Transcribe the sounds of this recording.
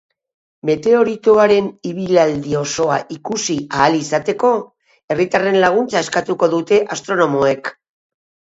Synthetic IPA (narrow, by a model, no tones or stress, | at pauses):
me̞t̪e̞o̞ɾit̪oaɾe̞niβ̞ilald̪io̞so̞aʔikusiaːlisat̪e̞ko̞ | e̞rit̪are̞nlaɣ̞unt͡sae̞skat̪uko̞ðut̪e̞ʔast̪ɾo̞no̞moe̞k